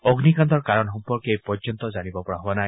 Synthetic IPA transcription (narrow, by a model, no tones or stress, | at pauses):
ɔɡnikant̪ɔɹkaɾɔnɦɔmpɔɾkejpɔɾd͡ʒɔnt̪ɔd͡ʒanibɔpɔɹaɦowanaj